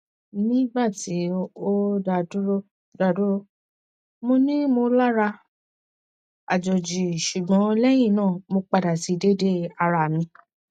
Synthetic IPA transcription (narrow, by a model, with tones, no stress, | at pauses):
nĩ˦ba˦˨ti˨˦o˦da˨du˦ɾo˦ | da˨du˦ɾo˧ | mo˧nĩ˦mo˧la˦ɾa˧ | a̰˨d͡ʒɔ˨d͡ʒi˨ʃu˨ɡ͡bɔ̃˨˦˧lɛ˦j̃ĩ˦˨nãː˦˨mo˧k͡pa˧da˨ti˨˧de˦de˦a˧ɾa˨mĩ˧˦